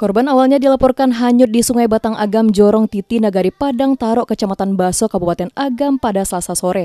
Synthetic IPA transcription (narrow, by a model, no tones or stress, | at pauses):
kɔrbanawalɲadilapɔrkanɦaɲʊt̪̚disuŋajbat̪aŋʔaɡamd͡ʒɔɾɔŋt̪it̪inaɡaɾipadaŋt̪aɾɔʔkət͡ʃamat̪anbasɔkabupat̪ɛnaɡampadasəlasasoɾɛ